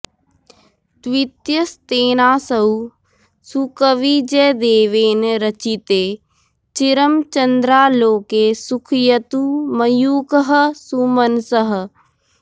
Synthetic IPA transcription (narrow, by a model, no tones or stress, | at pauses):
t̪ʋit̪jəst̪eːnaːsɐu | sukəʋid͡ʒɛːd̪eːʋeːnɾɐt͡ʃit̪eː | t͡ʃɪɾəmt͡ʃɐnd̪ɾaːloːkeːsukʰjɐt̪umɐjuːkəɦə̆suːmənsəɦ̆